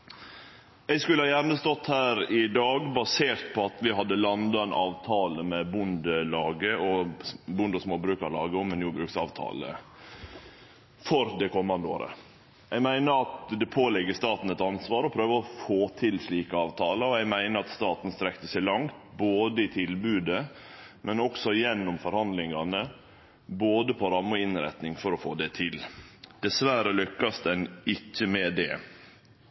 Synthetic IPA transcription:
ɛɪskʉləhɑjæɾnəst̪ɔt̪hæːɾɪd̪ɑːɡbɑseːɾt̪̚pʰɔɑt̪ʋɪɦɑd̪ːəlɑnd̪ɑɛnʔɑːʋt̪ʰɑːləmɛbʊnd̪əlɑːɡəʔɔbʊnd̪ɔsmoːbɾʉːkɑɾlɑ̰ːɡəɔmɛnjuːbɾʉːksɑ̰ːʋt̪ʰɑ̰ːlə̰ | fɔɾd̪ɛkʰɔmːɑnd̪əo̰ːɾə̰ | ʔɛɪɡmæɪnəɑt̪d̪ɛpʰoːlɛɡːəst̪ɑːt̪n̩ɛt̪ɑnsʋɑːɾɔpʰɾøːʋəɔfoːt̪ʰɪlsliːkəɑːʋt̪ʰɑːləɾɔɛɪɡmæɪnəɾɑt̪st̪ɑːt̪n̩st̪ɾɛkt̪əsæɪlɑŋt̪boːd̪əɪt̪ʰɪlbʉːd̪əmɛnɔksɔjɛnːɔmfɔɾhɑnd̪lɪŋɑnə | boːd̪əpʰɔɾɑmːʊɪnɾæ̰t̪nɪŋfɔɾɔfoːd̪ɛt̪ʰɪld̪̥ɛsʋæɾəlʏkːɑst̪ɛnɪçːəmɛːd̪ɛ̰

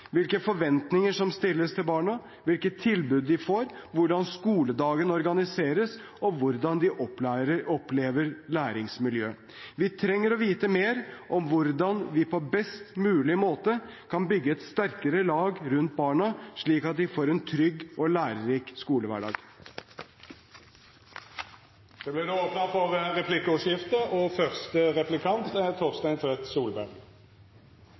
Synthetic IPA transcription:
ʋɪlkəfɔɾʋɛnt̪nɪŋəʂɔmst̪ɪlːəst̪ʰɪlbɑːɳɑ | ʋɪlkət̪ʰːɪlbʉːd̪ːɪfoːɾʋʊɖɑnskuːləd̪ɑːɡənɔɾɡɑnɪseːɾəs | ɔʋʊɾd̪ɑnd̪ɪʔɔɔpleːʋəɾlæːɾɪŋsmɪljø̰ː | ʋɪt̪ʰɾɛŋːəɾɔʋiːt̪əmeːɾʔɔmʋʊɾd̪ɑnʋɪpʰɔbɛst̪mʉːlɪmoːt̪əkʰɑnbʏɡːəɛt̪st̪æɾkəɾəlɑːɡɾʉnt̪̚bɑːɳɑʂɭiːkɑt̪̚d̪ɪfoːɾɛnt̪ʰɾʏɡːɔlæːɾəɾiːkskuːləʋæ̰ːɖɑ̰ːɡ | d̪̥ɛblɪnoːoːpnɑfɔʁʁɛpʰlɪkːəɔʃjɪft̪əʔɔfœʁst̪əʁɛplɪkʰɑnt̪ɛt̪ʰoːʁst̪æɪnt̪ʰʋɛt̪suːlbæʁɡ

